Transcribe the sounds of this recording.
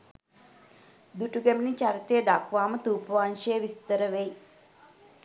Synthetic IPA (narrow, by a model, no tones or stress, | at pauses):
d̪uʈuɡæminit͡ʃaɾit̪ejəd̪akʰʋaːmət̪uːpəʋanʃejəʋist̪əɾəʋej